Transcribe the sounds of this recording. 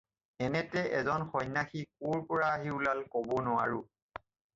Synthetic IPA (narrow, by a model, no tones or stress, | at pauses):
ɛnɛtɛʔɛ̰zɔnxɔjnːaxik̚uɹpɔɹaːɦiulalkobɔnʊwa̰ɹʊ